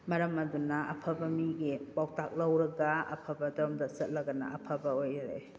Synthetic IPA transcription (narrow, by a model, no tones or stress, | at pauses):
mɐɾɐmɐdunɐɐ̰pʰɐbɐmiɡipawtak̚lɐwɾɐɡɐɐ̰pʰɐbɐdɐɾmdɐsɐt̚lɐɡɐnɐ̰ɐpʰɐbɐojaɾḛ